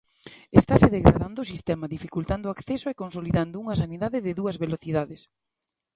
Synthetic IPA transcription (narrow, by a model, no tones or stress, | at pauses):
est̪aseðeɣɾa̰ðand̪oʊːsist̪ɛmɐðifikult̪and̪oakθɛsoekonsoliðand̪ʊuŋɐsaniðaðɪðɪðuɐzβeloθiðaðes